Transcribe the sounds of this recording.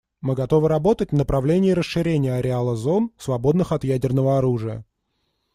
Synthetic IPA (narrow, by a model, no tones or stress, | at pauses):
mɨɡɐt̪o̞vɨɾɐbo̞t̪ət̚ʲvnəpɾɐvlʲenʲɪːɾəsʂɨɾʲenʲɪjəɐɾʲɪalˠəzo̞nsvɐbo̞d̪nɨxɐt̪jædʲɪrnəvəɐɾuʐɨjə̰